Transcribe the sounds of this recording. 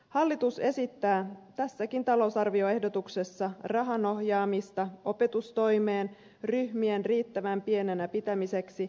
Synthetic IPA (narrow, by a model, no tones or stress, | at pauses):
hɑlːit̪use̞sit̪ːæːt̪æsːækint̪ɑlo̞usɑrʋio̞e̞hdo̞t̪ukse̞sːɑrɑɦɑno̞hjɑːmist̪ɑo̞pe̞t̪ust̪o̞jme̞ːn | ryhmie̞nriːt̪ːæʋæmpie̞ne̞næpit̪æmise̞ksi